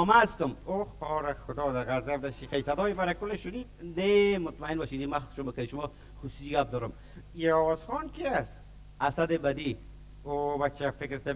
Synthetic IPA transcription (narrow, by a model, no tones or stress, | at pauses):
ɔmast̪ʊmoqɔːɾaxʊd̪ɔːd̪aɾɣazabd̪aʃiqajsad̪ɔːjfaɾakʊleʃʊninemʊt̪maɪnbɔʃinimaxʃʊmbokaiʃʊmɔ | xusu̥iɡap̚d̪ɔɾʊm | iɔwɔzxɔːnkias | asad̪ebad̪i | obat͡ʃafɪkɾt̪a